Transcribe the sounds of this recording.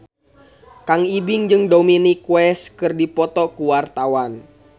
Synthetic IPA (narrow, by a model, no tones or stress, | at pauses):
kaŋibiŋd͡ʒɨŋdominikwɛskɨrdipɔt̪ɔkuwart̪awan